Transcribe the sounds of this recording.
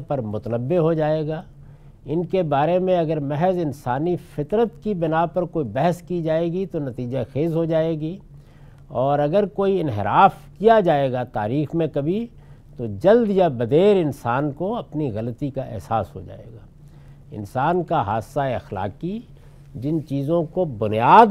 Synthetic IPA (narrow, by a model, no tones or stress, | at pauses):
pɐɾmʊt̪ənəbːeɦod͡ʒaːeːɡaː | ɪnkebaːɾemẽɐɡəɾmɛɦɛzɪnsaːnifɪt̪ɾət̪kibɪnapɐɾkoːibɛɦɛskid͡ʒaːeːɡit̪onɐt̪iːd͡ʒaxeːzɦod͡ʒaːeːɡi | ɔːɾɐɡəɾkoːiɪnɦɪɾaːfkijad͡ʒaːeːɡat̪aːɾiːxmẽkɐbʱi | t̪od͡ʒɐld̪jabɐd̪eːɾɪnsaːnkoɐpniɣɐlət̪ikaʔɛ̰ɦsa̰ːsɦo̰d͡ʒa̰ːḛːɡaː | ɪ̰nsaːnkaɦa̰ːsaeɐxla̰ːki | d͡ʒɪnt͡ʃiːzõkobʊnjaːd̪